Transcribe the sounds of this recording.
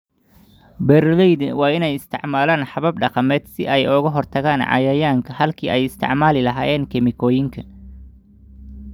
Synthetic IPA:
bɛrlɛjd̪wɑːɪnɛjɪst̪ʰɪʕmaːlaːnħɑβɐb̚ɖɑqɑmɛːd̪̥sɪʔɛjɔɣɐɦɔrt̪ʰɐɣaːnʕɑ̰jɐjaːŋkʰɐhɐlkʰiːʔɛjɪst̪ʰɪ̰ʕmaːlɪlɐɦaːjɛːŋkʰɛmɪkʰɔːjɪŋkʰɐ

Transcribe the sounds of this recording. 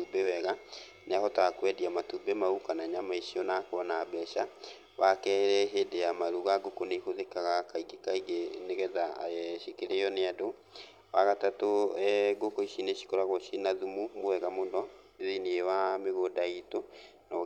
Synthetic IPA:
ubewɛɣa | nahɔtakwɛdiamatubemaukanaɲamaiɕiɔnakoɔnaːbɛʃa | wakɛɾɛɦedeamaɾuɣaɡokoneihoðekaɣakaiɡekaiɡeneɣɛða̰ɛɕikeɾeɔneado | waɣatatoɛɡokoiʃineɕi̥koɾaɣɔʃinaðumumowɛɣamondɔ | ðineewameɣodaito | na

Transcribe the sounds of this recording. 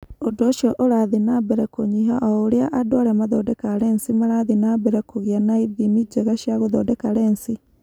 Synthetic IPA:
odoːʃɔʔoɾaðinabɛɾɛkoɲiɦaʔɔoɾeaʔadɔɾɛmaðɔdɛkaɾɛnsimaɾaðinabɛɾɛkoɣianaiðimid͡ʒɛɣaʃiaɣoðɔdɛkaɾɛnsi

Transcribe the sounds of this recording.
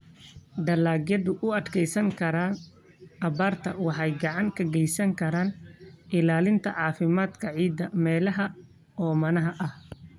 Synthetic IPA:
ɖɐlaːɡjɐðʊʔʊɐd̪kʰɛjsɐŋkʰɐɾaːn | ʔɐβaːrt̪ʰɐwɑħɑjɡɑʕɑŋkʰɐɡɛjsɐŋkʰɐɾaːnʔɪlaːlɪnt̪ʰɐʕɑːfɪmaːd̪kʰɐʕiːd̪ːɐmɛːlɐɦɐ | ɔːmɐnɐɦɐʔɐh

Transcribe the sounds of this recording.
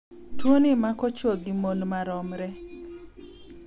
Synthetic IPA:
twonimakɔt͡ʃoɡimonmaɾɔmɾɛ

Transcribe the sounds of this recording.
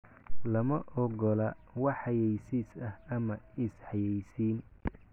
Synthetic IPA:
lɐmɐʔɔɡɔlɐwɑħɑjɛjsisɐhɐmɐɪsħɑjɛjsiːn

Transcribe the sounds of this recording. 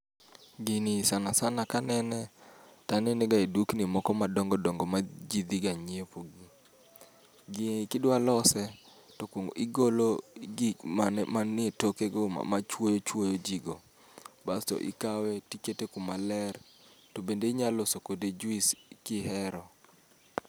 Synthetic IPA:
ɡɪnisanasanakanɛnɛtanɛneɡaiduknimɔkɔmadɔŋɡɔdɔŋɡɔmad͡ʒid̪iɡaɲiepoɡi | ɡɪnikɪdwalɔsɛ | tokoŋɡo̰ʔɪɡoloɡimanmanɪetokeɡo̰mat͡ʃwojot͡ʃwojod͡ʒiɡo | bastɔ̰ʔɪ̰kawɛtiketekumalɛr | tobendeiɲalosokoded͡ʒuiskɪhɛɾɔ

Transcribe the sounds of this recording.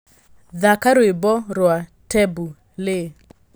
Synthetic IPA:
ðakaɾwebɔɾwatɛbu | le

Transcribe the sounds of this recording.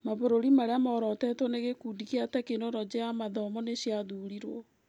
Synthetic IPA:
maβoɾoɾimaɾeamɔːɾɔtɛtwɔneɣekuːdikeatɛkenɔɾɔd͡ʑeamaðɔmɔneɕjaðuːɾiɾwɔ

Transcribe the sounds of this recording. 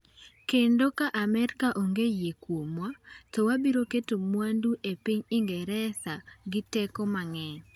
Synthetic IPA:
kendokaʔamɛɾkaʔoŋɡejekwomwatɔwabiɾoketomwanduʔepiɲɪŋɡɛɾɛsaɡɪtɛkɔmaŋɛ

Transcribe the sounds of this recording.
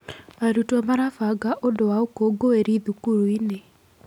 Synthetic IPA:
aɾutɔmaɾafaɡaʔodowaokoɡoeɾiðukuɾuine

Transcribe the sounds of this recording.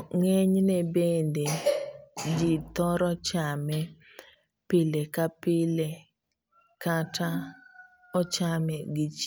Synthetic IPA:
ŋɛɲnɛbende | d͡ʒit̪ɔɾɔt͡ʃamɛ | pɪlekapɪle | kata | ɔt͡ʃamɛɡɪt͡ʃ

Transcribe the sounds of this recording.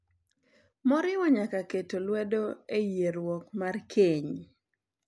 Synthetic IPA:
mɔɾɪwɔɲakaketolwɛdoejeɾwɔkmarkʰeɲ

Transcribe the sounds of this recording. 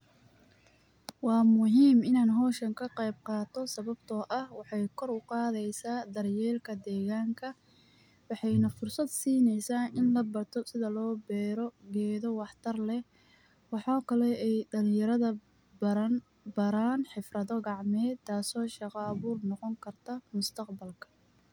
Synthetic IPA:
wɑːmʊɦiːmɪnaːnɦɔːʃɐŋkʰɐqɛjb̚qɑːt̪ʰɔsɐβɐbt̪ʰɔːʔɐhwɑħɑjkʰɔrʊqɑːðɛjsaːd̪ɐrjɛːlkʰɐd̪ɛːɣaːŋkʰɐ | wɑħɑjnɐfʊrsɐd̪siːnɛjsaːʔɪnlɐbɐrt̪ʰɔsɪðɐlɔːbɛːɾɔɡɛːðɔwɑħt̪ʰɐrlɛ | wɑħaːkʰɐlɛɛjɖɐlɪ̃jɐɾɐðɐ | bɐɾaːnħɪfrɐðɔɡɑʕmɛːt̪ʰːaːsɔːʃɑqɐːβuːrnɔqɔŋkʰɐrt̪ʰɐmʊst̪ʰɐqbɐlkʰɐ̥

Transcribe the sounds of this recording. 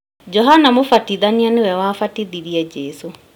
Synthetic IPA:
d͡ʒɔɦanamofatiðanianewɛwafatiðiɾiɛd͡ʑɛso

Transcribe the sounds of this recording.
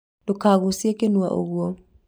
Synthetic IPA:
dokaɣosjekenwa̰ʔo̰ɣwɔ

